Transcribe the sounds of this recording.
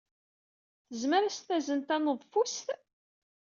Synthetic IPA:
θəzməɾæst̪æzənt̪ænəðˤfust̪

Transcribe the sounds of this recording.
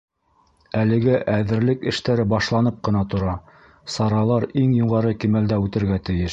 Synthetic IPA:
ælɘ̆ɡɘʔæðɘ̆ɾlɘkɘ̆ʃt̪æɾɘbɑʃlˠɑnɤp̚qɤ̆nɑt̪ŏɾɑ | sɑɾɑlˠɑɾiŋjuʁɑɾɤkimæld̪æʉt̪ɘ̆ɾɡæt̪ɘ̆jɘʃ

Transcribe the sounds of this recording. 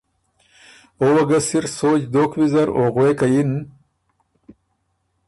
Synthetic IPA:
owɐɡɐsiɾsoːd͡ʑd̪oːkwizɐɾoɣwekajin

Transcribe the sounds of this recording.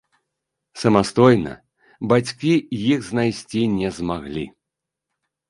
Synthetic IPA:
sɐmast̪ɔjnɐ̰ | bat͡sʲkʲijixznajsʲt͡sʲinʲɛzmaɣlʲḭ

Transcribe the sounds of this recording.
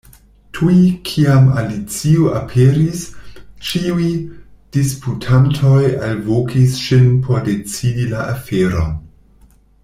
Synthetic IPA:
tʰujikʰiamalit͡siuʔapʰeɾist͡ʃiujd̥isputʰantʰo̞jalvokʰisʃinpʰo̞ɾde̞t͡sidilaʔafeɾo̰n

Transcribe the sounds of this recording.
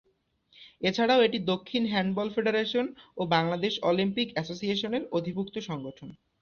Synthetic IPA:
et͡ɕʰaɽaoeʈid̪okʰːinɦɛɳɖbɔlfeɖeɾeʃonobaŋlad̪eʃɔlimpikɛsosieʃoneɾod̪ʱibuk̚t̪oʃɔŋɡoʈʰon

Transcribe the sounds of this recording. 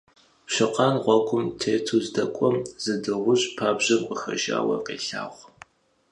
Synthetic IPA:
ɕɪqɑːnʁʷɔkʷʰʊmtʰeːtʰuzdɐkʷʼɔmz̥ɨdɨʁʷʊɕʼpʰaːbʑɐmkʷʼəxɐ̰ʒa̰ːwɐ̰qḛːɬa̰ːʁʷ

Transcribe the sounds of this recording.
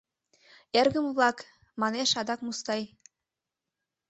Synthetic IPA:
erɣə̆mvlɑk | mɑneʃɑd̪ɑkmust̪ɑj

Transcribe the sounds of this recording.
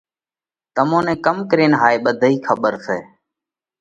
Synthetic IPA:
t̪əmõːnẽːkəmkəɾeːnɦaːeːɓəd̪ʱiːkʰəɓəɾseː

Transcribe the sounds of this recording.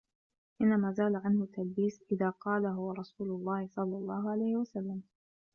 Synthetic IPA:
ʔɪnːamaːzaːlaʕanhʊt̪ːalbiːsʔɪðaːqɑːlaɦʊwaɾˤɑsuːlʊlˤːɑːhɪsˤɑlːɑlˤːɑːɦʊʕalajhɪwasalːam

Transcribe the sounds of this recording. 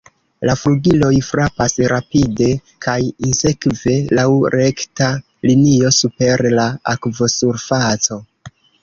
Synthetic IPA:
lafluɡilo̞jfɾapasɾapide̞ | kʰajinse̞kve̞lawɾe̞kta | linio̞supe̞ɾlaakvo̞suɾfat͡so̞

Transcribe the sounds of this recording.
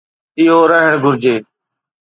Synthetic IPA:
ɪːɦoːɾəɦəɳɡʱʊɾd͡ʒeː

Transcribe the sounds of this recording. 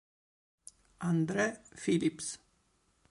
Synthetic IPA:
ʔɑnd̪ɾəfɪlɪps

